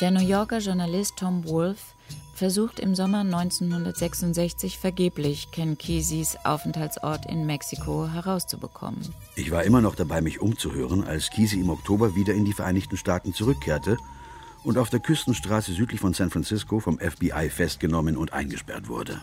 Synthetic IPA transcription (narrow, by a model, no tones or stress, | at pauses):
d̥eːɐnujɔɐkɐʒʊɐnalɪstʰːɔmwʊlfː | ɛɐzuːxtɪ̰mzɔmɐnɔʏnt͡senhʊndɐtz̥ɛksʊntz̥ɛçt͡sɪçfɛɐɡeːplɪçkʰɛnkʰiːzisʔa̰ʊfn̩thaltsʔɔ̰ɐtʰɪ̰nmɛksikʰoɦɛʁaʊst͡subəkʰɔ̰mə̰n | ʔɪçv̥aːɐʔɪmɐnɔχd̥abaɪmɪçʔʊmt͡suhøːʁ̞ənʔa̰lskʰiːziɪmɔktʰoːbɐviːdɐɪndiːfɛɐʔaɪnɪçtn̩ʃtaːtn̩t͡suʁ̞ʏkʰːeːɐtʰə | ʔʊntaʊfd̥eːɐkʰʏstn̩ʃtʁ̥aːsəzyːtlɪçfɔnsæ̃ntfʁant͡sɪskʰofɔmʔɛfb̥iʔa̰ɪfɛst̚ɡ̥ənɔmənʊntʔa̰ɪnɡəʃpɛ̰ɐtv̥ʊ̰ɐdə̰